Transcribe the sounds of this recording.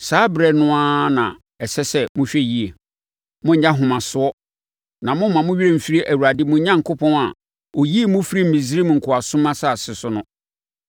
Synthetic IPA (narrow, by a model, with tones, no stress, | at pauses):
saː˦bɾɛ˨nʊ̃˦a˦nã̰˨ | ɛ˨sɛ˦sɛ˦mʊ̃˦ɕᶣɛ˦ji˦e˨ | mʊ̃˦ɲ̩˨ɲã˦ɦʊ̃˨mã˨sʊ˦ɔ˦ | nã˨mʊ̃˦mã˨mʊ̃˦ɥi˦ɾẽ˦˨m̩˨fi˦ɾi˦ʔæ˨wu˨ɾa˨dɪ˦mʊ̃˦ɲã˦ŋ˦kʰʊ˦pʰɔ̃˦na˨ | o˨ji˦e˦mʊ̃˦fi˦ɾi˦m̩˨mĩ˨zi˦ɾi˦m̃˨ŋ̩˨kʰʊ˨a˨sʊ̃˦mã˦sa˦˨sɪ˨sʊ˦nʊ̃˦